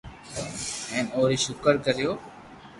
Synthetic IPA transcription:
ɛ̃ːnoːɾiːʃʊkəɾkəɾijoː

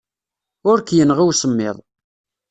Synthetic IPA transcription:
ʊɾkjənʁiwsəmːɪ̰ðˤ

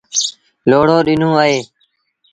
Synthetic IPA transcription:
loːɽoːɗɪnũːaːɦeː

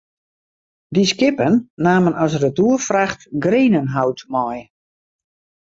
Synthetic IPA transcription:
diskɪpənːaːmənɔs̬rətuəfraxtɡreːnənɦawtmɔj

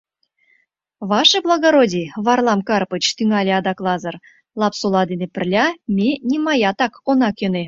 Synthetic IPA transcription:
βɑʃɤblˠɑɣoɾodʲiβɑrlˠɑmkɑrpət͡ɕt̪yŋɑlʲeɑd̪ɑklˠɑzə̆r | lˠɑpsulˠɑd̪enepɘ̆rlʲɑmʲenʲimɑjɑt̪ɑkonɑkøne

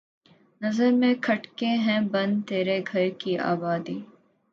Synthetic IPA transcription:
nɐzəɾmẽkʰɐʈkẽɦɛ̃bɐ̃nt̪eːɾeɡʱɐɾkiʔa̰ːbaːd̪iː

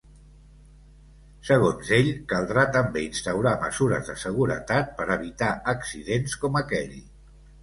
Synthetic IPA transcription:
səɣ̞onzeʎkəlˠd̪ɾat̪əmbeinst̪əwɾaməzuɾə̰zðəsəɣ̞uɾə̰t̪at̪̚pəɾəβit̪aəksiðenskɔməkɛʎ

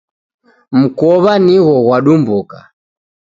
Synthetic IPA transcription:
m̩kɔβaniɣɔɣwaɗumbuka̰

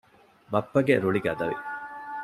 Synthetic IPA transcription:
mɐpːɐɡeɾuɭiɡɐd̪ɐʋḭ

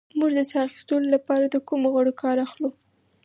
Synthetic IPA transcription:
muʒd̪əsɑaxi̥st̪əlolapɑɾad̪əkumoɣwaɽokʰɑɾaxlu

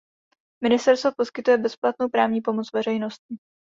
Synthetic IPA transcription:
mɪnɪst̪ɛɾst̪vopo̞skɪt̪ujɛbɛsplat̪nowpɾaːvɲiːpo̞mo̞t͡svɛr̝ɛjno̞st̪cɪ

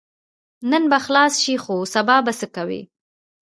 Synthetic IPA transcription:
nənbaxlɑsʃixosabɑbasəkawḭ

